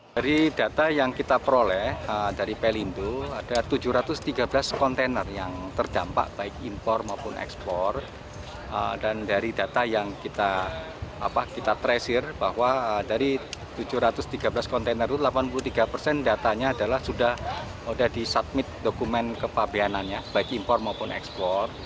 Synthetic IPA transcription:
d̥aɾidat̪ajaŋkit̪apəɾolɛədaɾipelinduad̥at̪ud͡ʒuhɾat̪ʊst̪iɡabəlaskɔnt̪enərjaŋt̪ərd̥ampa̰ʔb̥aɪk̚impɔrmaupʊnʔɛ̰kspɔr | ə̰dandaɾidat̪ajaŋkit̪a | apakit̪at̪ɾɛsɪrb̥ahwaədaɾit̪ud͡ʒʊhɾat̪ʊst̪iɡabəlaskɔnt̪enərt̪ulapanpulut̪iɡapərsɛndat̪aɲaːdalahsudah | udahdisat̪̚mɪt̪̚dokumɛnkəpabeananjab̥aɪkimpɔrmaupʊnɛ̰kspɔr

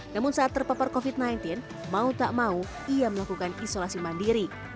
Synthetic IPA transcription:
namʊnsaʔat̪̚ːərpapɔrkofit̪̚najnt̪ɪn | maut̪aʔmau | ijaməlakukanisolasimandiɾi

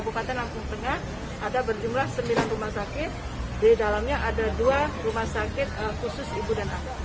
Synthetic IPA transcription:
bukat̪ɛnlampʊŋt̪əŋah | ʔadabərd͡ʒumlahsəmbilanrumahsakɪt̪̚ | didalamɲaʔadaduarumahsakɪt̪̚əkusʊsibudanaa

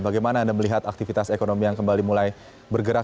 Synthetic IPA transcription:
baɡajmanaːndaməliɦat̪ak̚t̪ifit̪asekonomijaŋkəmbalimulaj | bərɡəɾa

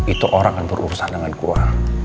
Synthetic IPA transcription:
it̪uʔoɾaŋkanbəɾʔṵɾusandəŋankua

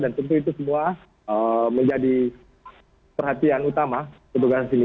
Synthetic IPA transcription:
dant̪ənt̪̬uit̪usəmua | əməɲd͡ʒadi | pərhat̪ianut̪amapət̪uɡasini

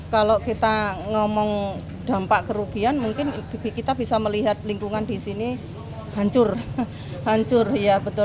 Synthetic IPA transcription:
kalokit̪aŋɔmɔŋ | d̪̥a̤mpaʔkəɾuɡ̥i̤anmuŋkɪnbibikit̪abisaməliɦat̪̚liŋkuŋandisini | haɲt͡ʃʊr | ɦaɲt͡ʃʊrjab̥ə̤t̪ʊ

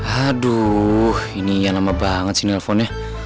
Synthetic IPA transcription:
adu | inianamabaŋət͡sinelfona

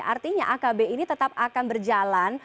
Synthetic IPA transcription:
ʔa̰rt̪iɲaʔakabeinit̪ət̪ap̚akanbərd͡ʒalan

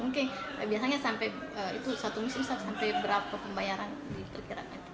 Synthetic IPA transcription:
muŋkɪnbiasaɲasampɛjəːḭt̪usat̪umisɪmsasampɛjbəɾapapəmbajaɾandip̪ərkiɾa̰kant̪

